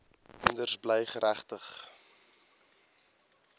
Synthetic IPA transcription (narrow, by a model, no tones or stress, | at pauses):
məndərsbləjχəɾæχtəχ